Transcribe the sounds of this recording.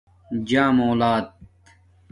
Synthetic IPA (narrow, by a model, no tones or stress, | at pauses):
d͡ʑaːmoːlaːd̪̚